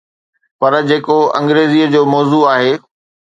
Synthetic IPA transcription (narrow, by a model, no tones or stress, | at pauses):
pɐɾd͡ʑeːkoɐ̰̃ŋɡɾeːziəd͡ʑoːmɔːzuaːɦeː